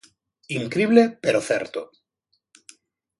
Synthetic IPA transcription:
iŋkɾiβlepeɾoθḛɾt̪o

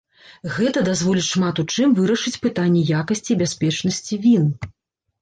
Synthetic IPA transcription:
ɣɛt̪ɐd̪azvɔlʲiʂmat̪ut͡ʂɨmvɨɾɐʂɨt͡sʲpɨt̪anʲːɛjakɐsʲt͡sʲibʲasʲpʲɛt͡ʂnɐsʲt͡sʲivʲin

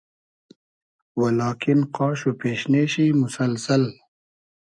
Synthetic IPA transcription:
wɐlaːkinqaːɕupeːɕneːɕimusɐlsɐl

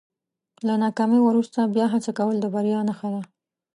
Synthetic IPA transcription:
lanɑkɑmiwəɾust̪abjɑɦat͡sakawəld̪əbaɾjɑnaxad̪a

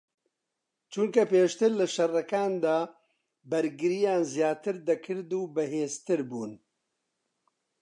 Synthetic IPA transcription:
t͡ʃʰuŋkɐpeːʃt̪ɨɾlɨʃɐrɐkaːnd̪aː | bɐɾɡɨɾijaːnzjaːt̪ɨɾd̪ɐkʰɨɾd̪uːbɨɦeːzt̪ɨɾbuːn

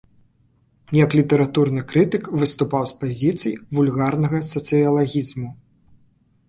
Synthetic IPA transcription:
jɐklʲit̪ɐɾat̪urnɨkɾɨt̪ɨkvɨst̪upawspazʲit̪sɨjvulʲɣarnɐɣɐsɐt̪sɨjɐlˠaɣʲizmu

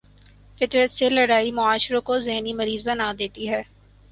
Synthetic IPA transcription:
fɪt̪ɾət̪selɐɽaːimʊaːʃɾõkozɛɦnimɐɾiːzbɐnad̪eːt̪iɦɛː

